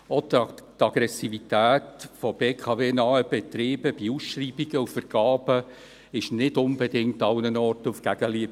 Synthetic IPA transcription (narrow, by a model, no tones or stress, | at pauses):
ɔttɑɡ̥ɾɛsivitæːtfɔb̥eːkʰɑveːnɑːəb̥ɛt̪ɾɪːbəb̥iusʃriːbiɡ̥əufəɾɡ̥ɑːb̥ə | ɪʃnɪdʊnbɛdɪŋtɑwnənɔːrtufɡ̥æɡ̥əliəb